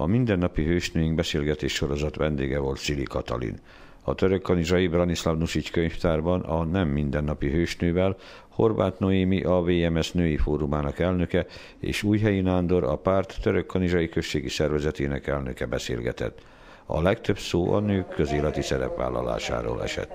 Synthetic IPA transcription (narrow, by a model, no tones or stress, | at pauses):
ɒmind̪ɛnːɒpiɦøːʃnøːjiŋɡ̚bɛseːlɡɛt̪eːʃʃo̞ɾo̞zɒt̪ʋɛnd̪ḛːɡɛvo̞lt̪silikɒt̪ɒ̰lḭn | ɒt̪øɾøkːɒniʒɒjibrɒnislɒvnuʃickøɲft̪aːrbɒnɒnɛmːind̪ɛnːɒpiɦøːʃnøːvɛl | ho̞̰rbaːt̪noimiʔɒveːɛmɛsnøːjifoːɾumaːnɒkɛlnø̞kɛ | ḛːʃuːjɦɛjinaːnd̪o̞ɾɒpaːrt̪ːøɾøkːɒniʒɒjikø̞ʃːeːɡisɛrvɛzɛt̪eːnɛkɛlnøkɛbɛsḛːlɡɛt̪ɛ̰t̪ː | ɒ̰lɛkt̪ø̞psoːʔɒ̰nøːkkʰːø̞zeːlɛt̪isɛɾɛ̰pʋa̰ːlːɒ̰la̰ːʃa̰ːɾo̰ːlʔɛ̰ʃɛ̰t̪ː